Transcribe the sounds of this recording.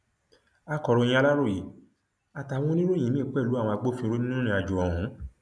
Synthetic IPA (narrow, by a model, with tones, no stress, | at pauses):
a˨˧kɔ˨ɾõ˧ĩ˧a˧la˦ɾo˦˨ji˨˦ | a˨ta˨wɔ̃˦nĩ˦ɾũ˦˨ĩ˨˦mĩ˦˨k͡pɛ˦˨lu˨˦ã˦˨ɔ̃˧a˧ɡ͡bo˦fĩ˧ɾo˦nĩ˦nũ˦nĩ˧a˨d͡ʒu˨ɔ˨ɦũ˨˦